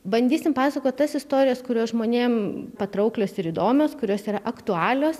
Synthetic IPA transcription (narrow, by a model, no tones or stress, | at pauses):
bɐnʲd̪ʲiːsʲɪmpɑːsɐkoːt̪̚ʲt̪ɐsɪst̪oːɾʲɪjɛskʊɾʲoːsʒmoːnʲeːmpɐt̪ɾɐʊklʲoːsɪɾiːd̪oːmʲoːskʊɾʲoːsiːɾɐʔɐkt̪ʊɑːlʲoːs